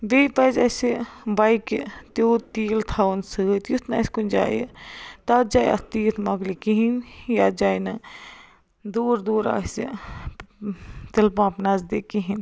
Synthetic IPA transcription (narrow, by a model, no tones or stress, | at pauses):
beːpɐzɐsibɐikit̪oːt̪iːlt̪ʰaːwnsɨt̪jut̪nɐ̰skunʲd͡ʒa̰ːjt̪at̪̚d͡ʒaːj̰ɐ̰st̪iːt̪ʰmɐɡlikiɦinjaːd͡ʒaːjnɐ | d̪uːɾd̪uːɾa̰ːsḛ | t̪ilpãːpnɐzd̪eːkiɦin